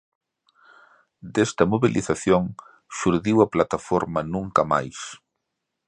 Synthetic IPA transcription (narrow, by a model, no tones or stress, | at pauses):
d̪est̪ɐmoβilʔiθaθjoŋ | ʃuɾðiwɐplat̪afoɾmɐnũŋkɐma̰js